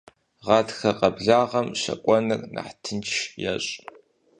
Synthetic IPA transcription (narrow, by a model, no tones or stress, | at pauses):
ʁɑːtʰxɐqɐbɮaːʁɐmʃɐ̰kʷʼɔnɨrnʔa̰ħtʰɨnʰjɛ̰ɕʼ